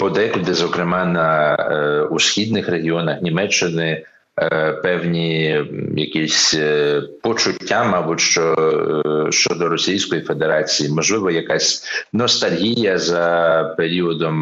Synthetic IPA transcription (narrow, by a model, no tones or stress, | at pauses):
pɔd̪ɛkʊd̪ɪzɔkɾɪmɑnɐ | usʲxʲid̪̚nɪxreɦʲiɔnɐxnʲimɛt͡ʃːɪnɪ | pɛwnʲi | jɐkʲisʲ | pɔt͡ʃʊtʲːamɑbʊtʲʃt͡ʃɔ | ʃt͡ʃɔd̪ɔɾɔsʲijsʲkɔjife̞d̪eɾɑt͡sʲijimɔʒlˠɪʋɔjɐkɑsʲnɔst̪ɐlʲɦʲijɐzɐpeɾʲiɔd̪ɔm